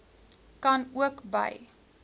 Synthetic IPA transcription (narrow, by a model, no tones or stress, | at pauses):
kɐnuəkbə̰j